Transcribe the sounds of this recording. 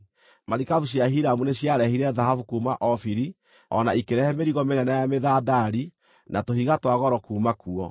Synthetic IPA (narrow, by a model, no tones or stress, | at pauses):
maɾikavuɕjaɦiɾamuneɕjaɾɛhiɾɛðahavukumaʔɔfiɾi | ɔ̰naikeɾɛhɛmeɾiɣɔmeɾɛnajameðadaɾi | nʔatohiɣatwaɣɔɾɔkuːmakuɔ